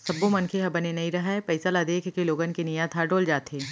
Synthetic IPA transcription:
sɐbːõmɐnkʰeɦɐbɐnenɐɦĩɾɐɦapɐɪsalad̪eːkʰkiloːɡənkenijat̪ʰaɖoːld͡ʒaːt̪eː

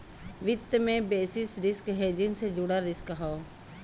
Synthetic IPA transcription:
ʋɪt̪ːəmẽbeːsɪsɾɪskɦeːd͡ʒɪŋsed͡ʒʊɽaɾɪskɦɔː

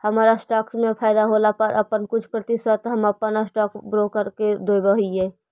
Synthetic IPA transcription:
həmaːɾasʈaːkmẽpʰaːɪd̪aɦoːlapəɾʔə̰pənkʊt͡ʃʰpɾət̪ɪswət̪ɦəməpənəsʈɔːkbɾoːkəɾked̪oːjbəɦiɛː

